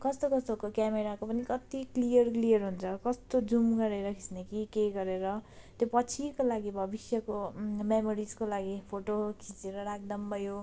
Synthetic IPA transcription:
kʌst̪okʌst̪okokjameɾakopʌnikʌt̪iklijʌrklijʌrɦunt͡sʰʌkʌst̪od͡zumɡʌɾeɾʌkʰi̥snekikeɡʌɾeɾʌ | t̪jopʌt͡sʰikolaɡibʱʌbisjʌkomemoɾid͡zkolaɡipʰoʈokʰĩt͡seɾʌɾak̚d̪ʌmbʌjo

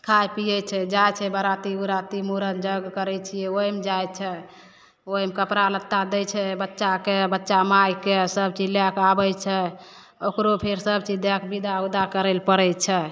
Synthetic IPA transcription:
kʰajpijɛt͡ʃʰɛd͡ʒajt͡ʃʰɛbəɾat̪iuɾat̪imuɾənd͡ʒəɡkəɾɛt͡ʃʰijɛojmd͡ʒajt͡ʃʰɛ | ojmkəpɾalət̪ːad̪ɛt͡ʃʰɛbətːʃakebətːʃamajkesəb̚t͡ʃiljakabəjt͡ʃʰɛ | okɾopʰeɾsəbt͡ʃid̪jakbid̪aud̪akəɾəlpəɾɛt͡ʃʰɛ

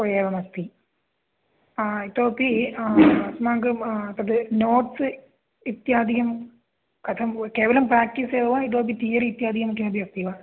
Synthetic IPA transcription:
pojeːʋɐmɐt̪i | it̪ːoːpːi | ɐsmaːŋɡɨɐt̪ːɐðɨnoːʈsɨ | it̪jaːd̪iɣɐm | kɐt̪ʰɐmkeːʋɐlɐmpɾaːk̚ʈiseːʋɐʋait̪̬ːoːp̬it̪iːɐɾit̪jaːd̪iɣɐmik̪ːjaːd̪ijɐst̪iʋa

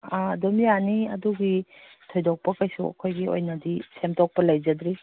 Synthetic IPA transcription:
adomijaniɐ̰duɡi | tʰɔjdɔk̚pɐkajsṵɐ̰kʰojɡio̰jnɐdisemtʰɔk̚pɐlɐjzɐdɾi

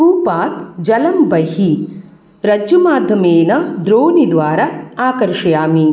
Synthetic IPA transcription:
uːpaːt̪d͡ʒɐlɐmbɐɦi | ɾɐd͡ʒjumaːd̪ʱjɐmeːnɐd̪ɾoːnid̪ʋaːɾɐaːkɐɾʂɐjaːmi

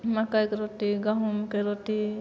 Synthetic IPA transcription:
makajkeɾotiɡaɦumkeɾot̪i

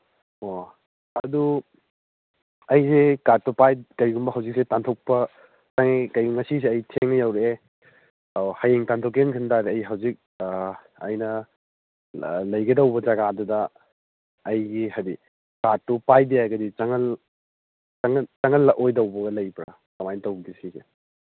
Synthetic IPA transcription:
o | ɐdu | ɐjsekatːupajkɐjɡumbɐɦɐwzik̚setantʰok̚pɐ | taŋekɐjɡuŋɐsiseɐjtʰeŋnɐjawɾe | hajeŋtantʰokenkʰɯndaɾeɐjɦɐwzik̚ | ɐ̰jnɐ | lɐjɡɐdɐwbɐd͡ʒaɡadudɐː | jɡihadi | katːupajdeajɡɐdit͡ʃɐŋɐl | t͡ʃɐŋt͡ʃɐŋɐlːɐʔojdɐwbɐɡɐlɐjpɾɐ | kɐmajntɐwbisize

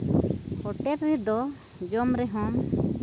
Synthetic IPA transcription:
hɔʈɛɾɾɛd̪ɔ | d͡ʒɔmɾɛɦɔm

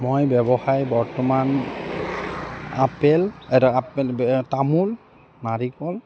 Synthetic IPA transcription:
mojbɛbɔxajbɔɹtɔman | a̰pɛlɛtapɛtamul | naɹikɔl

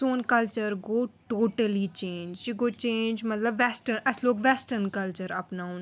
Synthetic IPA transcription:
soːnkɐlt͡ʃəɾɡoːʈoːʈəlit͡ʃẽːnd͡ʒd͡ʒiɡoːt͡ʃẽːnd͡ʒmɐt̪ləbʋɛsʈəɾnɐsloːkʋɛsʈəɾnkɐlt͡ʃəɾɐpnaũn

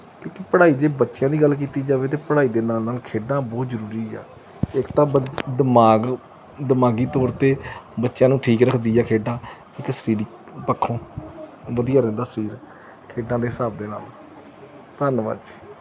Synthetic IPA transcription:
kjõːkipəɽaːiːd̪eːbətːʃjãːd̪iːɡəlːk̬iːt̪iːd͡ʒaːʋeːt̪eːpəɽaːiːd̪eːnaːlnaːlkʰeːɖãːbɔːt̪zəɾuːɾiːa̰ː | ɪkt̪ãːd̪əmaːɡ | d̪əmaːɡiːt̪ɔːɾt̪eːbətːʃjãːnũːʈʰiːkɾəkʰd̪iːɛːkʰeːɖãː | ɪksəɾiːɾi | pəkʰːõː | ʋəd̪ijaːɾɛ̃nd̪aːsəɾiːɾ | kʰeːɖãːd̪eːɦɪsaːb̚d̪eːna̰ːl | t̪ənʋə̰t͡ʃ

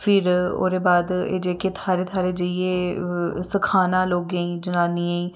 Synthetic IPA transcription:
pʰɪɾo̰ːɾeːbaːd̪ḛːd͡ʒeːkeːt̪ʰaːɾeːt̪ʰaːɾeːd͡ʒəieːsəkʰaːnãːloːɡẽĩːd͡ʒənãːniːaĩː

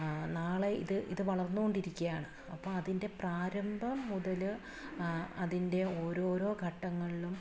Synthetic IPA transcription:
naːɭeḭðɨʔḭðɨʋɐɭɐrnːuɣo̞ɳɖiɾikʲːɐjaːɳɨ | ɐpːoːɐðinde̞praːɾɐmbʱɐmːuðɐlɨ | ɐðinde̞o̞ːɾo̞ːɾo̞ːɡʱɐʈːɐŋːɐɭilum

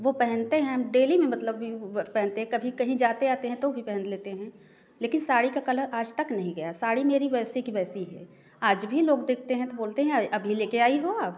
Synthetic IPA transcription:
ʋopɛɦɛ̃nt̪eɦɛ̃ɦɐmɖeːlimẽmɐt̪ləbːʱipɛɦɛ̃nt̪eɦɛ̃kɐbʱikɐɦĩd͡ʒaːt̪eaːt̪eɦɛ̃t̪obʱipɛɦɛ̃nleːt̪eɦɛ̃ | leːkɪnsaːɽikakɐləɾaːd͡ʒt̪ɐknɐɦĩɡɐjasaːɽimeːɾiʋɛːsikiʋɛːsiɦɛ̰ː | aːd͡ʒbʱiloːɡd̪eːk̚ʰt̪eɦɛ̃t̪oboːlt̪eɦɛ̃ʔɐbʱileːkeaːiɦoaːp

